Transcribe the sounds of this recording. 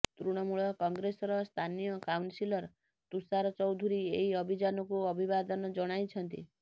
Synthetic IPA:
t̪ɾuɽ̃ɔmuɭɔkɔŋɡɾesɔɾɔst̪ʰanijɔkawnsilɔɾ | t̪usaɾɔt͡ʃɔwd̪ʱuɾieɦiɔbʱid͡ʒanɔkuɔbʱibad̪ɔnɔd͡ʒɔɽ̃ajt͡ʃʰɔnt̪ḭ

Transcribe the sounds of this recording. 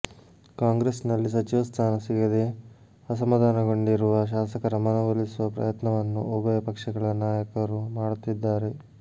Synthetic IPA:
kaːŋɡɾesnɐlːisɐt͡ʃiʋɐst̪ʰaːnɐsiɡɐd̪e | ɐs̬ɐmɐd̪aːnɐɡo̞ɳɖiɾuʋɐʃ̬aːsɐkɐɾɐmɐnɐʋɐlisuʋɐpɾɐ̰jɐt̪nɐʋɐnːṵobɐjɐpɐkʂɐɡɐɭɐnaːjɐkɐɾumaːɽut̪ːid̪ːaːɾe̞

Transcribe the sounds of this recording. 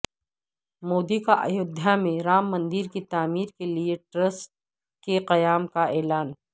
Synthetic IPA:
moːd̪ikaʔɐ̰jod̪ʱjamẽɾaːmːɐ̃nd̪iɾkit̪aːmiːɾkelieʈɾəsʈ̚ | keqɐjaːmkaɛːlaːn

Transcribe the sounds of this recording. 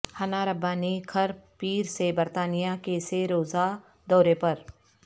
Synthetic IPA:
hɐnaɾɐbaːnikʰɐɾpiːɾsebɐɾt̪aːnijakeseɾoːza | d̪ɔːɾepɐɾ

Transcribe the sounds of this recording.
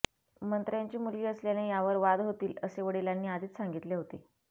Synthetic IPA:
mənt̪ɾəjaɲt͡ɕiːmulɡiːəsljanejaʋəɾʋad̪ɦot̪iːləseʋəɽilanːiːad̪ʱiːt̪saŋɡit̪leɦot̪e

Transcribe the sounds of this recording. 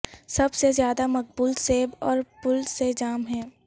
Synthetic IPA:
sɐbsezjaːd̪amɐq̚buːlseːbɔːɾpʊlsed͡ʒaːmɦɛ̃ː

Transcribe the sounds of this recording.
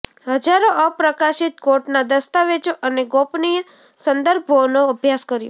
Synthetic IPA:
ɦəd͡ʒaɾoʔəpɾəkaʃit̪koɾʈnad̪əst̪aʋed͡ʒoʔəneɡopnijə | sənd̪əɾbʱonoəbʱjaskəɾjo

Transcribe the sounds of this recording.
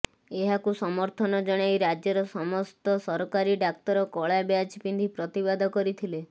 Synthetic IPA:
eɦakusɔmɔɾt̪ʰɔnɔd͡ʒɔɽ̃ajɾad͡ʒjɔɾɔsɔmɔst̪ɔsɔɾɔkaɾiɖak̚t̪ɔɾɔkɔɭabeat͡ʃipind̪ʱipɾɔt̪ibad̪ʱɔkɔɾit̪ʰile

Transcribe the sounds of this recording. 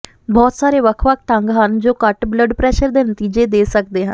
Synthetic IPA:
bɔːt̪saːɾeːʋəkʰʋək̚ʰʈ̪əŋɡɦənd͡ʒoːkəʈbləɖpɾɛːʃəɾd̪eːnət̪iːd͡ʒeːd̪eːsək̚d̪eːɦə̰̃n

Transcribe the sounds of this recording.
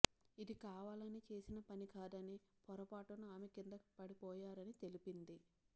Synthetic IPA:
id̪ikaːʋaːlɐnit͡ʃe̞ːsinɐpɐnikaːd̪ɐnipɔɾɐpaːʈunuaːmekind̪ɐku̥pɐɽipɔːjaːɾɐnit̪e̞lipind̪i

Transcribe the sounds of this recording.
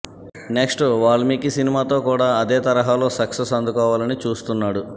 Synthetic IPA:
neksʈʋaːɭɐmiːkisinimaːt̪o̞ːkuːɽaːɐd̪eːt̪ɐɾɐɦaːlo̞ːsɐksesɐnd̪ukɔːʋaːlɐnit͡ʃuːst̪unːaːɽu

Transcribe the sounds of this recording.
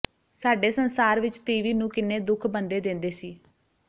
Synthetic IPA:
saːɖeːsənsaːɾʋɪt͡ʃt̪iːʋiːnũːkɪneːd̪ʊkʰbənd̪eːd̪ɪ̃nd̪eːsiː

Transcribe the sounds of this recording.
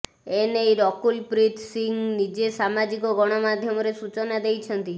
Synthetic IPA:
enejɾɔkulpɾit̪ʰsiŋɡnid͡ʒesamad͡ʒikoɡɔɽ̃ɔmad̪ʱjɔmɔɾesut͡ʃonad̪ejt͡ʃʰənt̪i

